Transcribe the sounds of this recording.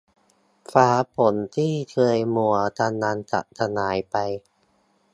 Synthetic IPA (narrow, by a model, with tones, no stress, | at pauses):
faː˩˦pʰo˩˦nt̪ʰiː˥˩t̪ʰɯ˧əjmu˨˩ɐt̪ʰa˧naː˧nt̪a̰˨˩t̪ʰa˧naː˩˦jpa˧j